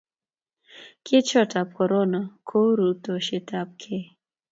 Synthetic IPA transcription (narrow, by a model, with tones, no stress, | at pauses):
ke˦t͡ʃɔ˦ta˨p̚kɔ˨ɾo˦na˨kʰo˦ɾu˨to˨ʃe˨ta˦p̚kʰe˦˨